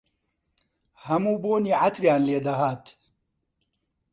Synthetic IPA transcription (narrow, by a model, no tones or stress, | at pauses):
hɐmuːboːniːʕat̪ɾjaːnleːd̪ɐɦaːt̪